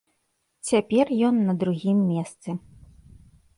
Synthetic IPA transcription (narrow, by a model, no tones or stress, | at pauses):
t͡sʲapʲɛrjɔnːɐd̪ɾuɣʲimːʲɛst̪sɨ